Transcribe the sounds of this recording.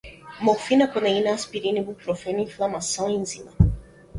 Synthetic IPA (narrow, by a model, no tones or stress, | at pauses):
mɔkfinakɔnainaːspiɾinibupɾɔfɛniflˠamasalinzima